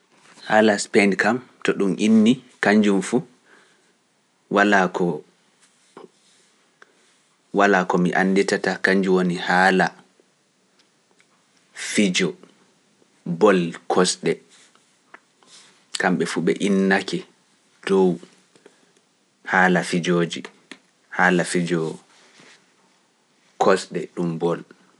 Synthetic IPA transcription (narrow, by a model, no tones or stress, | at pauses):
haːlaspɛndkamtɔɗumʔinːikaɲd͡ʒumfu | walakɔ | walakɔmiʔanːdɛtatakaɲd͡ʒuwonihaːla | fid͡ʒɔ | bɔlkʰɔsɗɛ | kamɓɛfuɓɛ̰ʔinːakɛ | d̥ɔw | haːlafid͡ʒoːd͡ʒi | haːlafid͡ʒɔ | kʰɔsɗɛɗumbɔl